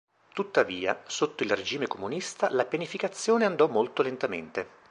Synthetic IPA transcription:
t̪ut̪ːaviːa̰sot̪ːoilred͡ʒiːmekomunist̪alapjanifikat̪sːjoːneand̪ɔmːolt̪olent̪amḛnt̪e

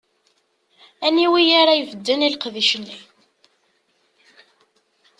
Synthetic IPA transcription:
æniwijaɾajvəd̪ːənilqðiʃənːi

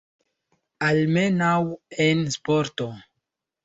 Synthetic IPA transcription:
almenawenspoɾto

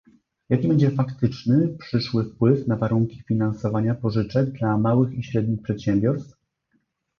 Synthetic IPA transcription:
jakʲibɛɲd͡ʑɛfakt̪ɘt͡ʂnɘpʂɘʂwɘfpwɘfnavaɾuŋkʲi̥fʲinansɔvaɲapɔʐɘt͡ʂɛɡ̚d̪lamawɘxiɕɾɛd̪̚ɲixpʂɛt̪ɕɛmbʲjɔɾst̪f

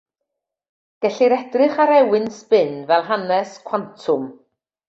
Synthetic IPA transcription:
ɡ̥ɛɬiɾɛd̥rɨχaɾɛwɪnspɪnvɛlˠɦanɛskʰw̥antʰʊm

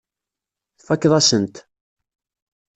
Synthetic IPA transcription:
θfækːðˤæsənt̪

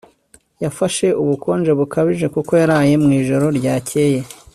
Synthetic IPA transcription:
jafaʃe̞uβuko̞ːnd͡ʒe̞βukaβiʒe̞kuko̞jaɾaːje̞mŋiːʒo̞ɾo̞ɾɟaːcʰe̞ːje̞

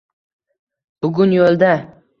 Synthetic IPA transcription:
b̥ʊɡʲʊnjolˠd̪a

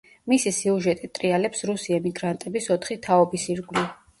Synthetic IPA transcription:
misisiuʒɛt̪ʼit̪ʼɾialɛpsɾusiɛmiɡɾant̪ʼɛbisɔt̪ʰχit̪ʰaɔbisiɾɡli

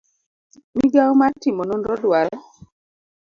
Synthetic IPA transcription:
miɡawmatimɔnɔnɾɔdwaɾ

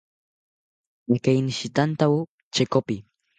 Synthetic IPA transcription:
jakajnʃɪt̪ant̪aw | t͡ʃekopɪ

